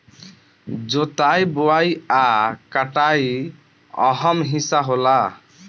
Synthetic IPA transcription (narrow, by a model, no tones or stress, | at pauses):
d͡ʒot̪ajbowajakaʈaj | ɔɦɔmɦisaɦola